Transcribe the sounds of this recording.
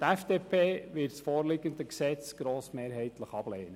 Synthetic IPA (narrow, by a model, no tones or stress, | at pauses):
t̪æfd̥eːpʰeːʋɪɾtsfoːɾlɪɡənd̪əksɛt͡sɡ̥ɾoːsmeːɾɦɛɪt̪ləχɑb̥leːnə